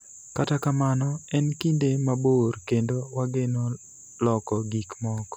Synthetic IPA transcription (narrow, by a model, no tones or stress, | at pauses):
katakamanɔɛnkindemaborkendowaɡeno | lɔkɔɡikmɔk